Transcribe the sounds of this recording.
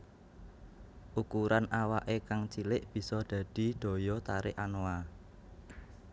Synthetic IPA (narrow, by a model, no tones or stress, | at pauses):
ʔukuɾanawaʔekaŋt͡ʃilɪʔb̥i̤sɔd̪̥ä̤d̪̥i̤d̪̥o̤jɔt̪aɾɪʔanoa